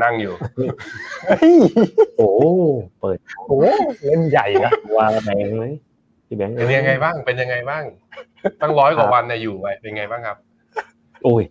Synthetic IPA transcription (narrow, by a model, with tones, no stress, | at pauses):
na˥˩ŋjuː˨˩˧a˧˥˩jʔoː˨˧˩pɤː˨˩t̪̚o˧ʔoː˨˦ŋe˧˥˩nja˨˩jka˧˩˧waː˧bɛː˦˥ŋma˦˥˩j | t̪ʰiː˧˩bɛ˨˦˥ŋʔe˧nja˧ŋːa˧jbaː˥˩ŋpe˧nja˧ŋa˧jbaː˥˩ŋ | maː˥˩ŋlɔː˦˥jkʰwaː˨˩˦wa˧nːɛ˧˩juː˨˩wa˧jpe˧nŋa˧jbaː˥˩ŋkʰa˦˥p̚ | ʔu˧˩j